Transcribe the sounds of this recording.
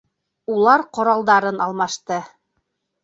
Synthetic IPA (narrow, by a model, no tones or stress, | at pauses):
ulˠɑɾqŏɾɑlˠd̪ɑɾɤnɑlˠmɑʃt̪ɤ